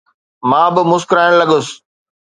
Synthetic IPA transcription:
mãːbɪmʊskɾaːɪɽ̃lɐɠʊs

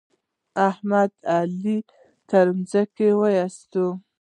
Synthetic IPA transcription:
ahmad̪ali | t̪aɾumzakewajast̪o

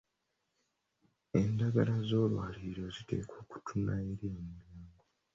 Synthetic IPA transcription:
e̞ndaɡalazo̞ːlwa̰liɾo̞zite̞̰ːkʰo̞ːku̥tʰunaeɾiemulaːŋɡo

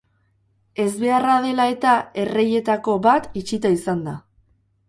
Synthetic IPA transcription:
e̞zβe̞arað̞e̞lae̞t̪ae̞re̞je̞t̪ako̞βat̪it͡ʃit̪aisand̪a

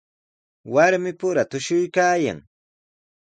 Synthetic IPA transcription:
waɾmɪpʊɾat̪ʊʃʊjkaːja̰ŋ

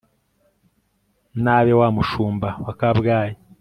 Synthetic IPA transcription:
naβewamuʃuːmbawakabɡaːje

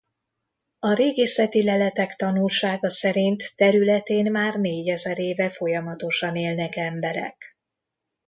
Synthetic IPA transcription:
ɒɾeːɡeːsɛt̪ilɛlɛt̪ɛkt̪ɒnulʃaːɡɒsɛɾint̪ːɛɾylɛt̪eːnmaːrneːɟɛzɛɾeːvɛfo̞jɒmɒt̪o̞ʃɒneːlnɛkɛmbɛɾɛ̰k

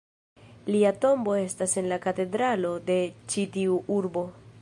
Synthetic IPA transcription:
liato̞mbo̞e̞stase̞nlakate̞dɾalo̞de̞t͡ʃitiuʔuɾbo̞

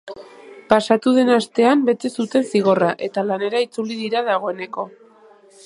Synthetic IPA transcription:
pasat̪uðe̞nast̪e̞ambe̞t̪e̞sut̪e̞nsiɣ̞o̞raʔe̞t̪alane̞ɾait͡suliðiɾaðaɣ̞o̞e̞ne̞ko̞

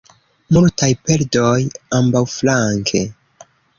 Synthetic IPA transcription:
multajpe̞ldojambawflaŋkʰe̞

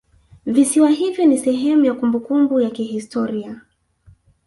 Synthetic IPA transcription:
visiwaɦivjɔnisɛɦɛmujakumbukumbujakihistʰɔɾia

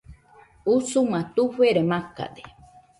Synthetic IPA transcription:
usumãt̪uɸeɾemaka̰d̪e

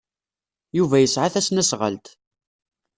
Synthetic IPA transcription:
juvæjəsʕaθæsnæsʁə̰lt̪

